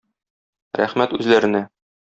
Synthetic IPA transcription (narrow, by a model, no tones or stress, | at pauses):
ɾæ̰χmæt̪ʉzlæɾɘ̆næ